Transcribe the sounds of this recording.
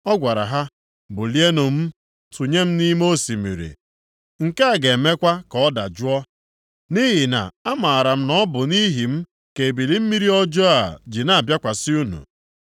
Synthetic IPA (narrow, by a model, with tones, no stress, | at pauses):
ɔ˦ɡʷa˨ɾa̰˨ɦa˦ | bʊ˨li˦e˦nʊ˨m̩˦ | tu˨ɲe˦m̩˦ni˦m˦o˦si˨mḭ˨ɾḭ˨ | ŋ̩˨ka˦a˨ɡe˨me˦kʷa˦kɔ˨ɔ˦da̰˨d͡ʒʊ˦ɔ˦ | ni˦ɦi˨na̰˨a˦ma˨a˨ɾa˨m̩˦nɔ˦bʊ˨ni˦ɦi˨m̩˦ | ke˨bi˨li˦m̩˦mi˦ɾi˦ɔ˦d͡ʒɔ˦a̰˨d͡ʒi˨na˨a˨bja˦kʷa˨si˦u˦nṵ˨